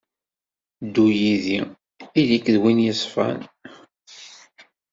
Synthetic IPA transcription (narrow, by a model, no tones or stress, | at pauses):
d̪ːujiði | iðikːðwinjəsˤfæ̰n